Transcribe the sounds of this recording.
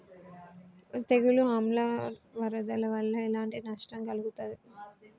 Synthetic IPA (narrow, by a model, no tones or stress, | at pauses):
t̪eɡuluɦɐmlɐʋɐɾɐd̪ɐlɐʋɐlːɐilaːɳʈinɐʂʈɐmkɐluɡut̪ad̪i